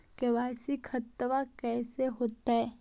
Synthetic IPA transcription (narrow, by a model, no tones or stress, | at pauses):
keʋaːsikʰət̪ːʋakɛːseɦoːt̪aɦɛː